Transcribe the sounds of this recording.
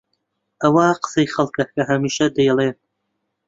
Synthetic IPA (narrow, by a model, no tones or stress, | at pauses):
ʔɐwaqə̥sejχɐlˠkɐkɐɦɐmiːʃɐd̪ɐjɛlˠe